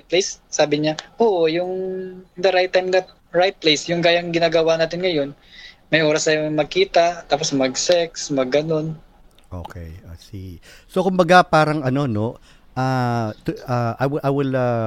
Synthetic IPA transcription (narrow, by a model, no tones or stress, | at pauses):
plejsːaːbɪɲaʔoːʔojʊŋd̪ɐɾajt̪̚ːajmnɐ | ɹajt̪̚plejsjʊŋɡaːjɐŋɡɪnaːɡɐwanaːt̪ɪnŋɐjo̞n | mɐjʔoːɾɐsɐjoŋmɐɡ̚kiːt̪ɐʔt̪aːposmɐɡ̚sɛksmɐɡːɐno̞n | ʔo̰ːkʰɛ̰jo̰ːsisokʊmbɐɡapaːɾɐŋɐno̞no̞ | ʔaːt̪aʔajwɪʔajwɪlɐ